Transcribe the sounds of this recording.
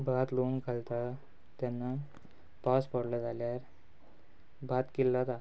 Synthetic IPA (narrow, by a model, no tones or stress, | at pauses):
bʱat̪louŋkalt̪a | t̪janːa | paspəɽləd͡zaljaɾ | bʱat̪kilːat̪a